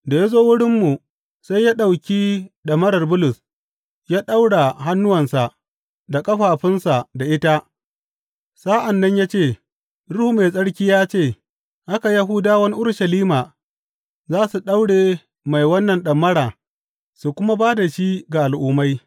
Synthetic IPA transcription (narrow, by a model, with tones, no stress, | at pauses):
da˨ja˦zoː˦wʊ˦ɽɪ˦mːu˨ | sa˦jaː˦ɗa˨wkʲiː˦ɗɐ˨mɐ˦ɽɐ˨rbʊ˦lʊ˨s | jaː˦ɗa˦wɽa˨ɦa˦nːʊ˦wɐ˨nsa˨ | da˨kʼɐ˦ɸaː˨ɸɪ˦nsa˨da˨ʔɪ˦ta˦ | sa˦ʔa˨nːɐ˦ɲjaː˦t͡ʃeː˦˨ | ɽʊ˦hu˦me˨sʼɐ˦ɽkʲiː˦jaː˦t͡ʃeː˦˨ | ʔa˦ka˨ja˦ɦʊ˦daː˦wɐ˦ni˦ʔʊ˦rʃɐ˨liː˦maː˨ | zaː˦su˨ɗa˦wɽeː˨ | ma˨jwɐ˦nːɐ˨nɗɐ˨mːɐ˦ɽaː˨ | su˨kʷʊ˦ma˦baː˦da˨ʃi˦ɡa˨ʔa˨lʔʊː˦ma˦j